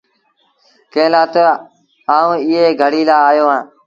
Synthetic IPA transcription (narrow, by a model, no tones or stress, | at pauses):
kẽːlãːt̪ə | aːũːɪɦeːɡʱəɽiːlaːjoːɦãː